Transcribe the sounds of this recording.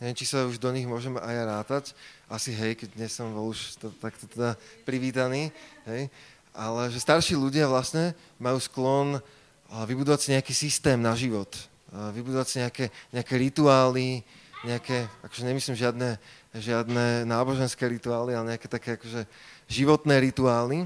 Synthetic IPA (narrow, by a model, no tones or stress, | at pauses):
ɲɛʋɛmt͡ʃisauʒd̪ɔɲiɣmʊɔʒɛmajɾaːt̪acʔasiɦɛjkɛɟ̚d̪ɲɛsɔmbɔluʃt̪t̪akt̪ɔt̪ɛd̪apɾiʋiːt̪aniːɦɛj | ʔalɛʒɛst̪aɾʃiːʎuɟɪaʋlasɲɛ | majuːsklɔn | ʋibud̪ɔʋacsiɲɛakiːsist̪ɛːmnaʒiʋɔt̪ | ʋibud̪ɔʋacsiɲɛakɛɲɛakɛːɾit̪uaːliɲɛakɛʔakɔ̥ʒɛɲɛmisliːmʒɪad̪nɛ | ʒɪad̪nɛnaːbɔʒɛnskɛːɾit̪uaːlialɛɲɛakɛːt̪akɛːakɔʒɛʒiʋɔt̪nɛːɾit̪uaːli